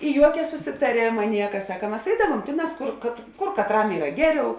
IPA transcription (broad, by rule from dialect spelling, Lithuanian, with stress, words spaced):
ɪ ˈjuɔkʲɛ sʊsʲɪtɐˈrʲeːmɐ ˈnʲiɛkɐ ˈsɑːkɐ ˈmɐs ˈɛɪdɐʋuɔm ˈtʲeːˌnɑːs ˈkʊr kɐt ˈkʊr kɐtˈrɐm ˈiːrɐ ˈɡʲæːˌrʲɛʊ